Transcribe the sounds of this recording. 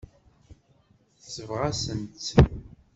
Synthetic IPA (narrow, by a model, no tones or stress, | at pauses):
θsəvʁasənt̪